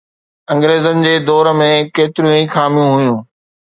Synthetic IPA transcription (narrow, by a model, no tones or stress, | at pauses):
ɐ̃ŋɡɾeːzənɪ̆d͡ʑeːd̪ɔːɾmẽkeːt̪ɪɾijũixaːmijũɦʊjũː